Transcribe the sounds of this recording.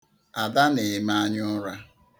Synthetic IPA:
a˨da˦ne˨ɪ˨ma˦a˦ɲʊ˦ɾa˦

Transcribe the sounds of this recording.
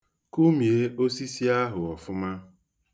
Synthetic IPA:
ku˦mi˨e˦o˦si˦si˦a˦ɦʊ˨ɔ˨fʊ˦ma˦

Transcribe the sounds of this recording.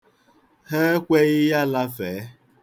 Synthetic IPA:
he˦kʷe˦ɣɪ˦ja˦la˦fe˨˦

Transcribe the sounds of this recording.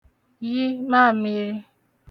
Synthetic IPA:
ji˦ma˦˨mi˨ɾi˦

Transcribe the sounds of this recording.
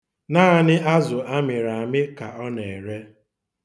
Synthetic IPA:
naː˦a˨nɪ˦ʔa˦zʊ˨ʔa˦mɪ˨ɾa˨a˨mɪ˦ka̰˨ɔ˦ne˨e˨ɾe˦

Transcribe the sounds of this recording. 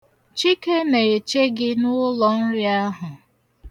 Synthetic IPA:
t͡ʃi˦ke˦ne˨e˨t͡ʃe˦ɡɪ˦nʊ˦lɔ˨n̩˦ɾɪ˦a˦ɦʊ˨

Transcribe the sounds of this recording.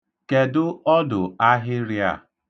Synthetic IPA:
ke˨dʊ˦ɔ˦dʊ˨a˦ɦɪ˦ɾja̰˨

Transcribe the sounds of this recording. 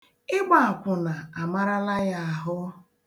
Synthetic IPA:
ɪ˦ɡ͡ba˨a˨kʷʊ˨na˨a˨ma˦ɾa˦la˦ja˦a˨ɦʊ˦

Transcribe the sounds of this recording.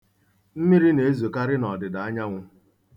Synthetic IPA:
m̩˦mi˦ɾi˦ne˨e˦zo˨ka˦ɾɪ˦nɔ˨dɪ˨da˨a˦ɲa˦ŋʷʊ˦

